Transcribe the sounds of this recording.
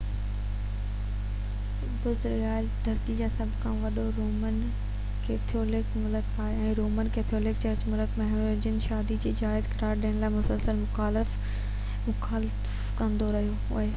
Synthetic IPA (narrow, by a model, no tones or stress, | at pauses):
bʊzɾɡaːld̪ʱɐɾt̪id͡ʑaːsɐbʱkʰãːʋɐɗoɾoːmən | keːt̪ʰioːlɪkmʊləkʰaːɦeɛ̃ːɾoːmənkeːt̪ʰioːlɪkt͡ɕɐɾt͡ɕmʊləkmɐɦɪ | d͡ʑənʃaːd̪id͡ʑiːd͡ʑaːɪzkɐɾaːɾɗijəɽ̃laːɪmʊsəlsəlmʊxaːlɪf | mʊkaːl | kɐ̃nd̪oɾɐɦijo | ʊ̰ɦe